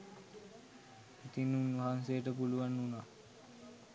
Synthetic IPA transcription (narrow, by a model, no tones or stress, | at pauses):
it̪inunʋaɦansejəʈəpuluʋanːunaː